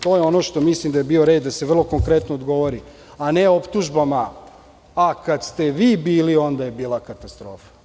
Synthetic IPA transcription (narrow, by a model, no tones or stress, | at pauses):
t̪o̞ːjeo̞no̞ʃt̪o̞mislimd̪ajebiːo̞ɾeːd̪d̪aseʋr̩lˠo̞ko̞ŋkɾe̞t̪nood̪ɡo̞ʋoɾi | ane̞o̞pt̪uʒbamaː | kad̪st̪e̞ʋiːbiːlio̞nd̪aje̞biːlˠakat̪ast̪ɾo̞ːfḁ